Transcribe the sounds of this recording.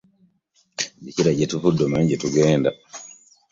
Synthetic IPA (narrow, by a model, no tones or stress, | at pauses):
ɟeciɾaɟetufudːomaɲɟetuɡeːnda